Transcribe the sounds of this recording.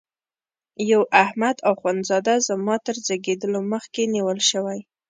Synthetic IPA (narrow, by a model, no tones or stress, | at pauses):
jawʔahmad̪awxwanzɑd̪azəmɑt̪əɾd͡zəɡed̪əloməxkeniwəlʃəwaj